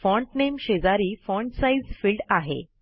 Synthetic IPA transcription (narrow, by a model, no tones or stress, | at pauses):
fɔ̃ɳʈnemɕed͡zaɾiːfɔ̃ɳʈsaizfilɖaɦḛ